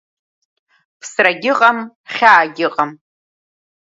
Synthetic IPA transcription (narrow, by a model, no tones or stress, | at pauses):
pʰsraɡʲɪqʼam | χʲaːɡʲɪqʼam